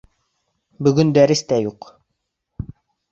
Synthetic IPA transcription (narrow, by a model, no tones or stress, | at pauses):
bɵ̆ɡɵnd̪æɾɘ̆st̪æjuq